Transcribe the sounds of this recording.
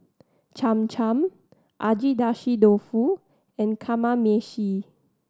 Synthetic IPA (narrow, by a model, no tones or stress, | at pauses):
t͡ʃãmt͡ʃʰãm | ʔad͡ʒidaʃidofu | ɛ̃nkʰamameʃi